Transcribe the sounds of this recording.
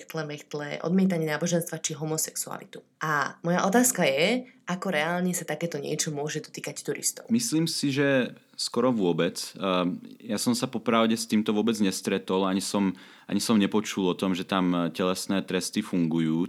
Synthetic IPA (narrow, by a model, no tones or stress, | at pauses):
xt̪lɛmɛxt̪lɛ̰ʔɔ̰d̪mɪɛt̪̬aɲɛnaːbɔʒɛnst̪ʋat͡ʃiɦɔmɔsɛksua̰lḭt̪u̥ | ʔamɔjaʔɔt̪aːskajɛʔakɔɾɛaːlɲɛsat̪akɛːt̪ɔɲɪɛ̰t͡ʃɔmʊɔʒɛd̪ɔt̪iːkact̪uɾḭst̪ɔ̰ʊmisliːmsiʒɛ | skɔɾɔʋʊɔbɛt͡s | jasɔmsapɔpɾaʊɟɛst̪iːmt̪ɔʋʊɔbɛd͡zɲɛst̪ɾɛt̪ɔlaɲisɔm | a̰ɲisɔmɲɛpɔt͡ʃulɔt̪ɔmʒɛt̪amcɛlɛsnɛːt̪ɾɛst̪ifuŋɡujuː